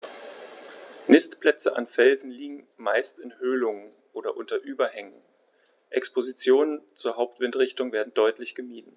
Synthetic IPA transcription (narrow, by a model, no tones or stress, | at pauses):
nɪstpl̥ɛt͡səʔa̰nfɛlzn̩liːɡŋ̩maɪstɪnhøːlʊŋən | ʔoːɾɐʔʊntɐʔyːbɐhɛŋən | ʔɛkspozit͡sjoːnənt͡suːɐɦaʊp̚tv̥ɪntʁɪçtʊŋveːɐdn̩dɔʏtlɪçɡ̥əmiːdn̩